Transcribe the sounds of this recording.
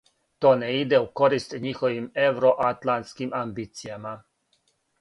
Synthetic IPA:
t̪oːneid̪euko̞ɾist̪ɲixoʋimewɾoʔat̪lant̪skimambiːt̪sijama

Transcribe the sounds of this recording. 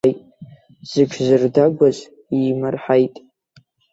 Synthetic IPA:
jtʼ | z̥ɨʈ͡ʂʷʰzɨrdaɡʷazʼ | imɨrħajtʼ

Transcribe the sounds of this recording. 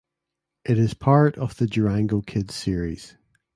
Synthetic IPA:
ʔɪʔɪz̥pʰaɹʔəv̥ðəd͡ʒəɹãŋɡokʰɪdz̥siɹiz̥

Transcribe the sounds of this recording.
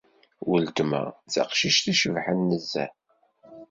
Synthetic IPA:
wəld̪mæ̰t͡sɑ̰qʃiʃθiʃəvħənːəzːæ̰

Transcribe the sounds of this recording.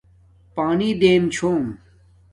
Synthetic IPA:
paːnid̪eːnt͡ɕʰoːm

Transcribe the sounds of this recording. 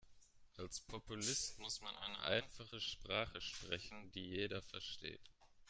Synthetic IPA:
ʔalspʰɔpulɪstmʊsmanʔa̰ɪnə̰ʔa̰ɪnfaχəʃpʁ̥aːχəʃpʁ̥ɛçn̩diːjeːdɐfɛɐʃtḛːt

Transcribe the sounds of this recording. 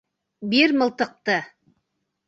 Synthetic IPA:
beɾməlˠt̪əq̚t̪ə

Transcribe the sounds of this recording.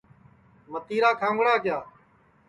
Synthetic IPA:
ʋət̪iːɾaːkʰãːŋɡɽaːkɪjaː

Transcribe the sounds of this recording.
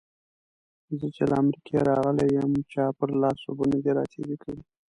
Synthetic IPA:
zət͡ʃelaamɾikʰeɾɑɣəlawəmt͡ʃɑpəɾlɑsobunad̪eɾɑ̰t̪ʰeɾikʰawi

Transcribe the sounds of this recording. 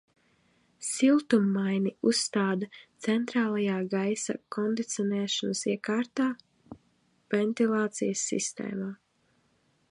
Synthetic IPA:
silˠt̪umːajniusːt̪aːd̪at̪sɛnt̪ɾaːlˠajaːɡajsa̰kɔnd̪it̪siɔnɛːʃɔnəsiɛkaːɾt̪aː | vɛnt̪ilˠaːt̪sijəsːḭst̪ḛːmaː

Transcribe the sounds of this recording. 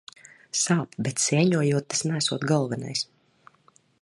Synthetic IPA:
saːpbɛt̪sʲiɛɲuɔjuɔt̪̚ːasnæsuɔt̪ɡɔlˠvɛna̰js

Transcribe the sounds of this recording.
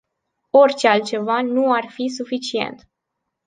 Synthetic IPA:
o̞rʲt͡ʃealt̪̚t͡ʃe̞vanuarfis̬ufit͡ʃie̞̰nt̪

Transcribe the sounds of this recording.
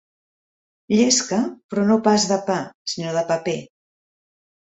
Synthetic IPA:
ʎeskəpɾɔnopazðəpasinoð̞əpəpe

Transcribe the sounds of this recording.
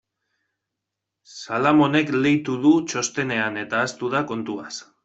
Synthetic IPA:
salamo̞ne̞kle̞jt̪uðut͡ʃo̞st̪e̞ne̞ane̞t̪aːst̪uðako̞nt̪uas

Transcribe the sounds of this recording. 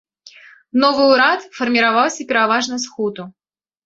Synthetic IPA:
nɔvɨuɾat̪fɐrmʲɪɾavawsʲɐpʲɪɾavaʐnɐsxɔd̪ʊ

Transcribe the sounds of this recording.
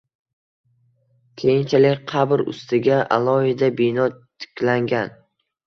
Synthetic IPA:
kʲʰe̞jɪnt͡ʃʰalɪkʲqʰɑbɾʊ̰st̪ɪɡʲaʔa̰lˠɒhɪd̪abɪnɒt̪ʰɪ̥kʲlaŋɡʲan

